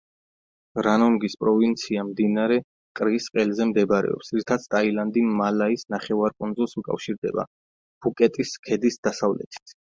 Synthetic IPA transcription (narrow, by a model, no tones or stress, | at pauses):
ɾanɔŋɡispʼɾɔvint̪sʰiamd̪inaɾɛ | kʼɾisqʼɛlzɛmd̪ɛbɾɛ̰ɔ̰psɾit̪ʰat̪sʰt̪ʼailand̪imalaisnaχɛvaɾkʼund̪zulˠsukʼa̰fʃiɾd̪ɛba̰ | b̥ukʼɛt̪ʼiskʰɛd̪isd̪̥asavlɛ̰t̪ʰi̥t̪ʰ